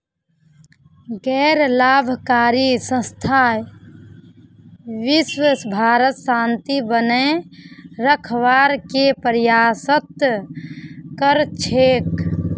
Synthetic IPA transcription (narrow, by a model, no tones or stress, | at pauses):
ɡɛɾlabʱkaɾisə̃st̪ʰa | ʋiswəsbʱaɾət̪sant̪ibəne | ɾəkʰʋaɾkepɾjasət̪ | kəɾt͡ʃʰek